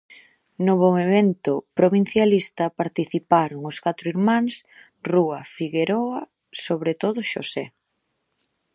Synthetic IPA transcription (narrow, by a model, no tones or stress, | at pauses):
noβoŋeβent̪ʊpɾoβin̟θjalist̪ɐpaɾt̪iθipaɾʊŋʊskat̪ɾʊiɾmãŋs | ruɐfiɣeɾoa | soβɾet̪oðʊʃo̰sɛ